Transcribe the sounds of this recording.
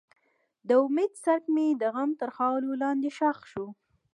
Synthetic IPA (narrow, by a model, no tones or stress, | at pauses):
d̪əʊmed̪saɾkmed̪əɣamt̪əɾxɑlolɑnd̪eʃaxʃu